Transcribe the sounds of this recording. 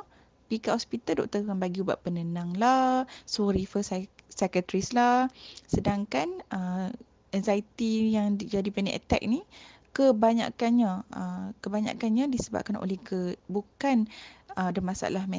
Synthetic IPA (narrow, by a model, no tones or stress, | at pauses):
pikaʔhɔspit̪aldɔk̚t̪əkanbaɡiuba̰ʔpənənaŋlasɔɾifəssɛkət̪ɾislahsədaŋkanə | ɛnzajt̪ijaŋd͡ʒadipənɛ̰̃ʔə̰t̪ɛ̰k̚ni | kəbaɲa̰kanɲãəkəbaɲa̰ʔkanɲadisəba̰p̚kano̰lɛhɡəbukanədəmasa̰lahmɛ